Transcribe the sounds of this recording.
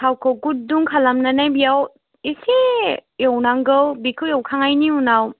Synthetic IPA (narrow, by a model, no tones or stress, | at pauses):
sʰawkʰɯwkut̚duŋkʰalamnanajbijaw | isejewnaŋɡɯwbikʰɯwjewkʰaŋajniunaw